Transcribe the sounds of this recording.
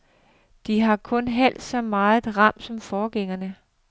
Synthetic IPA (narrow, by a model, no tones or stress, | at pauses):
d̥iɦɑ̈kʰɔ̽nɦæl̰d̥sɒ̽mɑ̈ːð̩ˠʁɑ̈m̰d̥sɒ̽mfɒːɡ̥eŋɐnə